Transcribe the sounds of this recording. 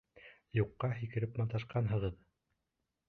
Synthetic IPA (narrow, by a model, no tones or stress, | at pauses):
juqːɑɦikɘ̆ɾɘpmɑlt̪ɑʃqɑnɦɤ̆ʁɤð